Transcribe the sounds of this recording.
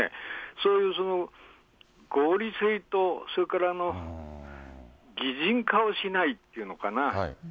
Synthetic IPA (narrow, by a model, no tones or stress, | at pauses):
ḛsoːjɯ̟ːs̬o̞no̞ | ɡ̥oːɾʲisɨit̪o̞so̞ɾekaɾano̞ | ɡʲiʑĩŋkao̞ɕinait̪ːeiɯ̟no̞kana